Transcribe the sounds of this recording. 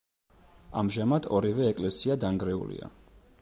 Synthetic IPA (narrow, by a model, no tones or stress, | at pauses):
amʒamad̪ʰɔɾivɛːkʼlɛsiad̪aŋɡɾɛṵlḭa̰